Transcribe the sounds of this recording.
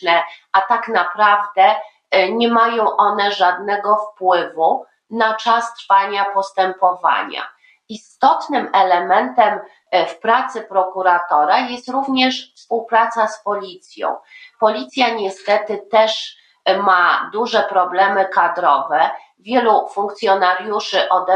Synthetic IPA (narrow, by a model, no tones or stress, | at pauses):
ɛat̪aknapɾavd̪ɛ | ɲɛmajɔ̃w̃ʔɔnɛʐad̪nɛɡɔfpwɘvu | nat͡ʂast̪ɾfaɲapɔst̪ɛmpɔva̰ɲa̰ | ist̪ɔt̪nɘmɛlɛmɛnt̪ɛm | fpɾat̪sɘpɾɔkuɾat̪ɔɾajɛst̪ɾuvɲɛʂfspuwpɾat̪saspɔlʲit̪sʲjɔ̰̃w̃pɔlʲit̪sʲjaɲɛst̪ɛt̪ɘt̪ɛʂ | mad̪uʐɛpɾɔblɛmɘkad̪ɾɔvɛ | vʲjɛlufuŋkt̪sʲjɔnaɾʲjuʂɘʔɔd̪ɛ